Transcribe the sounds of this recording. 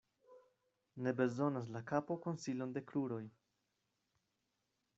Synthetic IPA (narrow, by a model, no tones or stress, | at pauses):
ne̞be̞zo̞nas̬lakapo̞ko̞nsilo̞nde̞kɾuɾo̞j